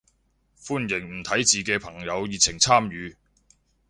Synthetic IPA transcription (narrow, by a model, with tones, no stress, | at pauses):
fuː˥njɪ˨˩ŋm̩˨˩t̪ʰɐ˨˥jt͡siː˨kɛː˧pʰɐ˨˩ŋjɐ˨˧wjiː˨t͡sʰɪ˨˩ŋt͡sʰaː˥mjyː˨˧